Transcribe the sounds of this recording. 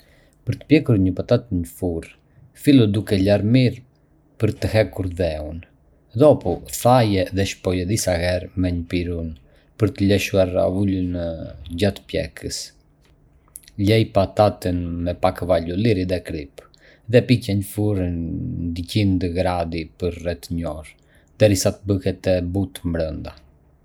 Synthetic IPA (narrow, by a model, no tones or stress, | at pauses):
pəɾt̪ə̥pjɛkuɾɲəpat̪at̪əɲəfuɾ | filud̪ukɛlaɾmiɾ | pəɾt̪əɦɛkuɾðɛun | ðɔpɔθajɛðɛʃpɔjɛd̪isaɣɛɾmɛɲəpiɾun | pəɾt̪əlɛʃuaɾa̰ulənɟat̪pjɛ̰kʰəs | lɛjpat̪at̪ənmɛpakvaluliɾiðɛkɾip | ðɛpicɛɲəfuɾənd̪icind̪əɡɾad̪ipəɾrɛt̪ɲɔɾ | d̪ɛɾisat̪əbəhɛt̪ɛbut̪mbɾənd̪a